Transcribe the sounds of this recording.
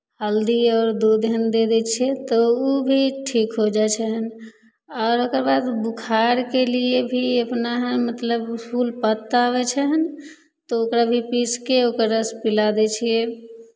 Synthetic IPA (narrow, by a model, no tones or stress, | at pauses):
həld̪iɔːɾd̪od̪ɦənd̪ed̪ɛt͡ʃʰiɛt̪ɔubʱiʈʰikɦod͡ʒat͡ʃʰɛɦən | ɔːɾokəɾbad̪bukʰaɾkeliebʱiəpnaɦmət̪ləbpʰulpət̪ːaβɛt͡ʃʰɛɦən | t̪ɔokɾabʱipiskeokəɾəspilad̪ɛt͡ʃʰije